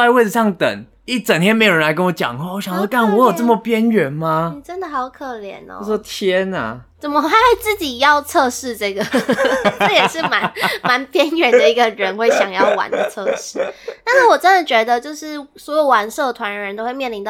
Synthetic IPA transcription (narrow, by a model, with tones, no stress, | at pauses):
a˥ɪ˦we˥˩ɪʈ͡ʂ̩˧ʂɑ˥˩ŋt̪ə̰˨˩ŋ | i˥˩t͡sə˨˩ŋt̪ʰjɛ˥nme˧˥ɪjo˨˩ɻə˦nla˧˥ɪkə˦nwɔ˧˦t͡ɕjɑ̰˨˩ŋ˥˦ɔ˥˩ɕjɑ˨ŋɔ˥˧kʰa˥˩nwɔ˧˦jo˨˩t͡sə˥˩mə˨˩pjɛ˦nɥɛ˨˦nma˦ni˨˩ʈ͡ʂə˦˥nd̪ə˨xɑ˧˥ʊkʰɤ˨˩ljɛ̰˨˩˦nɔ̰˦˥ɔ˥t̪ʰjɛ˦˥na̰˨˩t͡sə˨˩nmə˧˦a˥xwe˥˧ɪt͡sɹ̩˥˩t͡ɕi˨˩jɑ˥˧ʊt͡sʰɤ˥˧ʂɻ̩˥˧ʈ͡ʂɤ˥˩ɡə˩ʈ͡ʂ̩˥˨jɛ˨˩ʂɻ̩˥˩ma˧˦nma˧˥npjɛ˥nɥɛ˨˩nd̪ə˦i˧˥ɡə˧ɻə˧˦nxwe˥˩ɪɕjɑ˨˩ŋjɑ˥˩ʊwa̰˧˥nd̪ə˧t͡sʰɤ˥˧˩ʂɻ̩˥˩na˥˧na˥˩wɔ˨˩ʈ͡ʂə˦nd̪ə˨t͡ɕɥɛ˧˥d̪ə˧t͡ɕjo˥˧ʊʂɻ̩˥˩swɔ˧˥jo˨˩ʊwa˧˥nsɤ˥˩d̪ə˩t̪ʰwa˦˥nɻə˧ə˧˦nt̪o˥ʊwe˧mjɛ˥˩li˧nt̪